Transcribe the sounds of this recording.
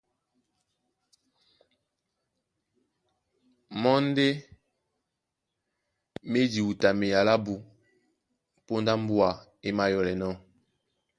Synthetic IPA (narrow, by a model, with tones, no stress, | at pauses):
mɔ˦n˦de˦ | me˦d͡ʒi˨u˨ta˨me˨ja˨la˦bu˨ | po˦nda˦m̩˦bu˦a˨ | e˦ma˦jɔ˨lɛ˨nɔ˦